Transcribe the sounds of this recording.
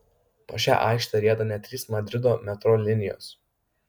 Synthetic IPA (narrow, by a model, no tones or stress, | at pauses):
po̰ːʃʲæ̰ːʔɑ̰ˑɪkʃʲt̪ʲɐɾʲiɛd̪ɐnʲɛt̪ʲɾʲiːsmɐd̪ʲɾʲɪd̪oːmʲɛt̪ɾoːlʲɪnʲɪjo̰ːs